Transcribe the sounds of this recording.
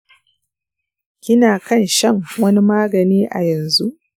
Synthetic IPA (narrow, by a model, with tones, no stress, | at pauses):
kʲɪ˦naː˨kɐ˦nʃɐ˦ŋwɐ˦ni˦maː˦ɡɐ˨niː˦ʔa̰˨jɐ˨nzu˦ʔ